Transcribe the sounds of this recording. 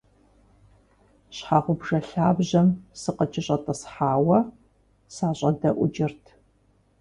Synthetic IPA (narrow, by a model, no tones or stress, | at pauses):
ɕħaːʁʷʊbʒɐɬaːbʑɐmsɨqət͡ʃʰʼɪɕʼɐtʼɐsħaːwɐ | saːɕʼɐdɐʔʷʊd͡ʒɪrtʰ